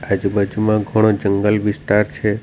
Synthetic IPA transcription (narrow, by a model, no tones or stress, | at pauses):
ad͡ʒbad͡ʒumãɡʱəɽ̃od͡ʒəŋɡəlʋisʈaɾt͡ʃʰe